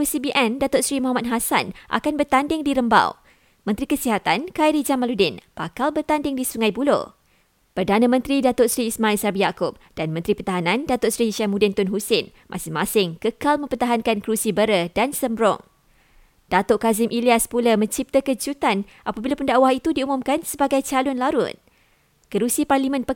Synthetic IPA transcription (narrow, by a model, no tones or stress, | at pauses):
usibiʔɛndat̪ʊʔsɾimɔɦamat̪̚ɦasa̰nʔa̰kanbərt̪andɪŋdiɾəmba̰w | mə̃nt̪ɾikəsiɦat̪ankajɾid͡ʒamaludɪnb̥akalbərt̪andɪŋdisuŋajbulo̰ | pərdanãmə̃nt̪ɾidat̪ʊʔsɾiːsmailsabijakʊp̚d̥anmə̃nt̪ɾipərt̪aɦanãndat̪ʊʔsɾiʃamudɪnt̪ʊnɦusɪn | mʔã̰sɪŋmãsɪŋkəkalmə̃mpərt̪aɦankankəɾusibəɾədansəmbɾɔ̰ŋ | d̥at̪oʔkazɪmʔiliaspuləmə̃ɲt͡ʃip̚t̪əkəd͡ʒut̪an | ʔapabilapəndaʔwahit̪udiumumkansəbaɡajt͡ʃalʊnlaɾʊ̰t̪̚ | kəɾusiparlimə̃npə